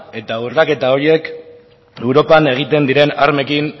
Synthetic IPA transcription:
e̞t̪aurake̞t̪ao̞ɾie̞k | e̞wɾo̞pane̞ɣ̞it̪e̞nd̪iɾe̞naɾme̞kin

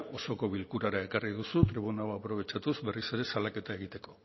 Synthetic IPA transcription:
o̞so̞ko̞βilkuɾaɾae̞kariðusut̪ɾiβ̞unaoapɾo̞β̞e̞t͡ʃat̪uzbe̞rise̞ɾe̞salake̞t̪ae̞ɣ̞it̪e̞ko̞

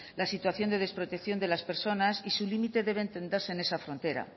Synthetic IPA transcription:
lasit̪waθjo̞nd̪eð̞e̞spɾo̞t̪ekθjo̞nd̪e̞laspe̞ɾso̞nasisulimit̪e̞ðe̞βent̪e̞nd̪eɾse̞ːne̞safɾont̪e̞ɾa̰

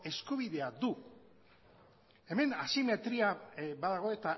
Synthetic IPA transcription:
e̞skuβiðe̞aðu | e̞me̞nasime̞t̪ɾiabaðaɣ̞o̞e̞t̪a

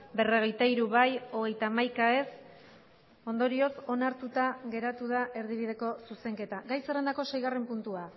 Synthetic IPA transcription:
be̞reɣejt̪aiɾuβajo̞ɣ̞e̞jt̪aːmajkae̞s | o̞nd̪o̞ɾio̞so̞naɾt̪ut̪aɣe̞ɾat̪uð̞aʔe̞ɾðiβ̞ið̞e̞ko̞suse̞ŋke̞t̪aɡajsere̞nd̪ako̞se̞jɣare̞mpunt̪ua

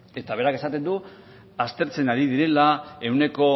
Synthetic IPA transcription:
e̞t̪aβe̞ɾake̞sat̪e̞nd̪u | ast̪e̞ɾt͡se̞naɾiðiɾe̞lae̞wne̞ko̞

